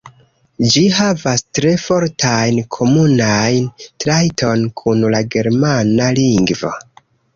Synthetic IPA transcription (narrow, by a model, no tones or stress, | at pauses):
d͡ʒiɦavastɾe̞fo̞ɾtʰajnkʰo̞munajntɾajto̞nkʰunlaɡe̞ɾmanaliŋɡvo̰